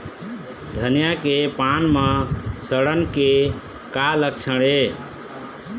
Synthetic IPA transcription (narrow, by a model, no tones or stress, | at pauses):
d̪ʱənijakepanmʌsəɽənke | kaləkt͡ʃʰəɽe